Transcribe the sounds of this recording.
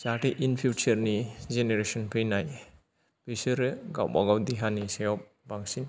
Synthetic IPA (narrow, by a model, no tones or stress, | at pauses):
t͡ʃaʈiʔinpʰit͡ʃɐɾnizeneɾesɔnpʰɯjnaj | bisɯɾɯɡa̰wba̰ɡawd̪iɦanisejɔp̚ | baŋsin